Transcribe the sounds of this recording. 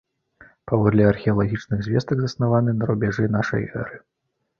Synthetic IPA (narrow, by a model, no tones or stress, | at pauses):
pavɔd̪lʲɛɐrxʲɛɐlˠaɣʲit͡ʂnɨɣzʲvʲɛst̪ɐɡzɐsnavanɨnɐɾubʲɛʐɨnaʂɐ̰jɛ̰ɾɨ